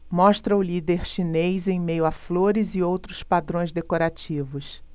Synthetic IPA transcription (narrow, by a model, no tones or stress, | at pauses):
mɔʃt̪ɾɐʊlid̪eɾʃinejzẽj̃mejʊafloɾɪzɪowt̪ɾʊspad̪ɾõj̃zd̪ekoɾat͡ʃivʊs